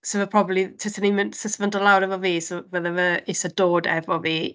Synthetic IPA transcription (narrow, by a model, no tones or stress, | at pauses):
səvəpʰr̥ɔbəblitʰɪsʰənimsəsvəndəlˠawɾɛvɔviːsvəðəvəɪsədoːdɛ̰vɔviː